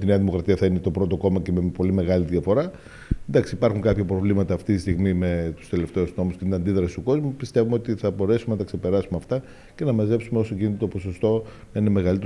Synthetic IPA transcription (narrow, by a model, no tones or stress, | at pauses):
t̪ineɐðimo̞kɾɐt̪iɐθɐine̞t̪o̞bɾo̞t̪o̞ko̞mɐce̞mepo̞lime̞ɣɐliðʝɐfo̞ɾɐ | nd̪ɐksipɐɾxuŋkɐpçɐpɾo̞vlimɐt̪ɐːft̪it̪ist̪iɣmime̞t̪u̥st̪e̞le̞ft̪e̞ozno̞musceineɐnd̪iðɾɐsi̥st̪uko̞zmupist̪e̞vumeot̪iθɐbo̞ɾe̞sumenɐt̪ɐksepe̞ɾɐsumeɐft̪ɐ | ce̞nɐmɐze̞psumeosocinit̪et̪opo̞so̞st̪o̞ | nɐine̞me̞ɣɐlit̪